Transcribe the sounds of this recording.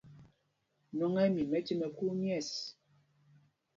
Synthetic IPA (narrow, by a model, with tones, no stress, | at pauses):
nɔ˨ŋɛ˦mi˨mɛ˦ti˦mɛ˨ku˦mjɛ˦˨s